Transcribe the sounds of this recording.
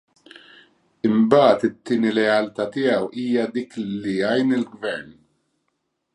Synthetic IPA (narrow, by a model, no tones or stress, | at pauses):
ɪmbɐːt̪ɪt̪ːɪːniɾɛɐlt̪ɐt̪ɪːjɐwiːjɐd̪iːkliɐjnɪlɡvɛɾn